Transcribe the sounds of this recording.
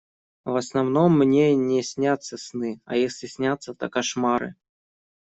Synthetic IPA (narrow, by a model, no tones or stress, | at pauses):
vɐsnawnɔmːnʲenʲɛsʲnʲat̪sːɐsnɨɐ̰jesʲlʲɪsʲnʲat̪sːɐt̪ɐkaʂmaɾɨ̰